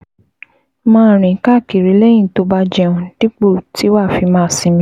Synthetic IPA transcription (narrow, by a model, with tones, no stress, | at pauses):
mãː˦˨ɾ̃ĩ˨ka˦˨ki˨ɾi˨˦le˦jĩ˦˨to˧˦ba˧d͡ʒɛ˧ũ˧d̥i˦k͡po˦˨tʰi˨˦wa˦˨fi˧mãː˦˨sĩ˧mĩ˧˦